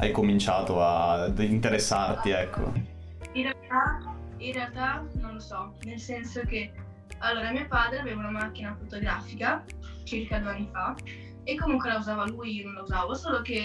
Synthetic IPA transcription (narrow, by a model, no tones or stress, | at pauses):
a̰jkomint͡ʃaːt̪oaint̪eɾesːart̪iɛkʰːo̰ | inrealt̪ainrealt̪anonlosɔnelsɛnsok̟e | alːoːɾamiːopaːd̪ɾeaveːvaunamak̟ːinafot̪oɡɾaːfika | t͡ʃirkad̪ueanːifa | ekːomuŋkwelauzaːvalujinõnlauzaːvosoːlok̟e